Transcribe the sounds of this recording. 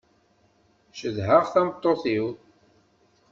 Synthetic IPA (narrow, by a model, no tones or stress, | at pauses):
ʃəðɦəʁθæmət̪ˤːoθiw